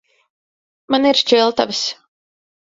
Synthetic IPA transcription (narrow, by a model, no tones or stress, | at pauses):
maniɾt͡ʃilˠt̪avɨs